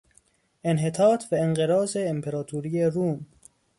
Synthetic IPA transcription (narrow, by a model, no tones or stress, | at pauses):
enɦet̪ʰɒːt̪ʰvæenɢeɾɒːzeːmpʰeɾɒːt̪ʰuɾiːeɾuːm